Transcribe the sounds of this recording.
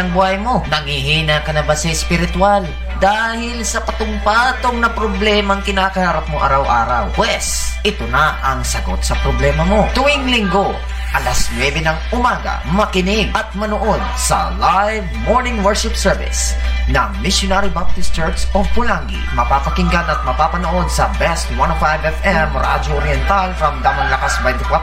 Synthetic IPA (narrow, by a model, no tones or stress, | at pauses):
ɐŋbʊhajmo̞nɐŋhihiːnakɐnɐbasɐɪspɪɾɪt̪ʊal | d̪aːhɪlsɐpɐt̪ʊmpaːt̪o̞ŋnɐpɾoblɛːmɐŋkɪnaːkɐhaɾap̚moʔa̰ɾawʔa̰ːɾɐ̰wwɛs | ʔɪt̪onɐʔɐŋsɐɡo̞̰t̪̚sɐpɾoblɛːmɐmo̞t̪ʊʔiŋlɪŋɡo̞ | ʔɐlasnwɛbɛnɐŋʊmaːɡɐ̰mɐkɪnɪɡ̚ʔɐt̪̚mɐnoʔod̪̚sɐ̰lajvmoɹnɪŋwɛɹʃɪpsɛɹvɪ̰s | nɐŋmɪʃjonaɾibab̚t̪ɪstt͡ʃɛɹtsopʊlaŋɡḭmɐpaːpɐkɪŋɡanɐt̪̚mɐpaːpɐnoʔo̞d̪sɐbɛst̪wanofajvɛfɛmɾa̰d͡ʒoʔoɾjɛnt̪alfɾɐmd̪amɐnlɐkasbajd̪ɪka